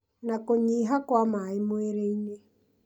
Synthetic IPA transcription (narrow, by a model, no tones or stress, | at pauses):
nakoɲiːɦakwamaemoeɾeine